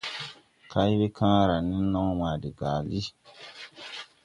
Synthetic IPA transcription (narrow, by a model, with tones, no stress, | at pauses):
ka˦ji˦be˦kʰã˦ɾa˨ni˦nɔ˦ŋ˦maː˨di˨ɡaː˨li˦